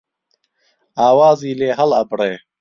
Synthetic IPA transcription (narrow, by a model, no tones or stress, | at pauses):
aːwaːziːleːɦɐlɐ̰bɽeː